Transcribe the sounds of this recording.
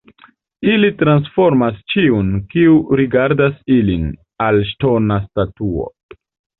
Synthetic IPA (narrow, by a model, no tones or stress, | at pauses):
ilitɾansfo̞ɾmast͡ʃiunkiuɾiɡaɾdasilin | alʃto̞nastatuo̰